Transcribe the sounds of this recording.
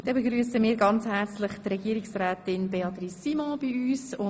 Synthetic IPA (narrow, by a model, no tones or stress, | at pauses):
d̥ɛbeɡɾyːsəmiːɾɡɑnt͡shæɾt͡slɪχt̪rɛɡ̥iəɾiksrɛːtɪnbeɑt̪ɾisimɔ̃b̥iyːsʊ